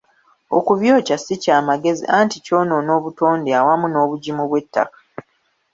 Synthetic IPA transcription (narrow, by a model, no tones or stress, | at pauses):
o̰kuβjo̞ːcasicaːmaɡe̞zḭʔaːntico̞ːno̞no̞ːβuto̞ːndeawamuno̞ːβuɟimuβwe̞tːa̰kḁ